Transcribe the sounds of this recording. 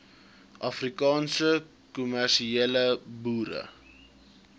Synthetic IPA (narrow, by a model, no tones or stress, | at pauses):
ʔɐfrikɑːnsə | kumærʃieːləbuːɾə̰